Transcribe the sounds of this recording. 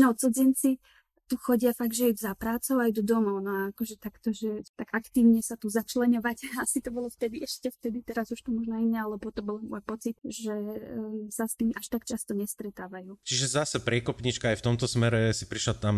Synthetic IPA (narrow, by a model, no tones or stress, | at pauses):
nɔt͡sɔd͡zɛnt͡si | t̪uxɔɟɪafaɡʒɛjuzapɾaːt͡sɔʊajd̪ɔd̪ɔmɔʊnɔaakɔʒɛt̪akt̪ɔʒɛt̪aɡakt̪iːʊɲɛsat̪uzat͡ʃlɛɲɔʋacasit̪ɔbɔlɔft̪ɛd̪iɛʃcɛft̪ɛd̪it̪ɛɾazuʃt̪umɔʒnɔinɲɛalɛbɔt̪ɔbɔlmɔjpɔt͡sit̪̚ʒɛ | sast̪iːmaʃt̪akt͡ʃast̪ɔɲɛst̪ɾɛt̪aːʋajuːt͡ʃiʒɛzasɛpɾɪɛkɔpɲit͡ʃkaajft̪ɔmt̪ɔsmɛɾɛsipɾiʃlat̪am